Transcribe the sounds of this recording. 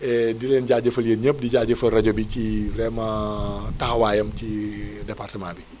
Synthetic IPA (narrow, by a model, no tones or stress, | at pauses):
ʔɛdilɛnɟad͡ʒɐfɐliəɲəp̚diɟaːɟɐfɐrɐɟobicivrɛmɐtahwaːjɐmt͡ʃidɛpartəmanbi